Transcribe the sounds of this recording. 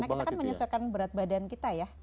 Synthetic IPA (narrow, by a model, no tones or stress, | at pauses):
nakit̪akanməɲɔsakanbəɾat̪̚badankit̪ajah